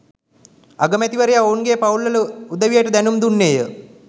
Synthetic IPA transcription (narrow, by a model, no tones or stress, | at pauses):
aɡəmæt̪iʋəɾejaoːnɡeːpaulːɐləud̪əʋijəʈəd̪ænumd̪unːeːjə